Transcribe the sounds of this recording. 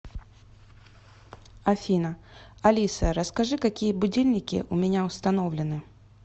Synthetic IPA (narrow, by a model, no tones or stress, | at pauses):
ɐfʲinəɐlʲisəɾəskɐʐɨkɐkʲijəbʊdʲilʲnʲɪkʲɪ̰ʔʊmʲɪnʲaʊst̪ɐnovlʲɪnɨ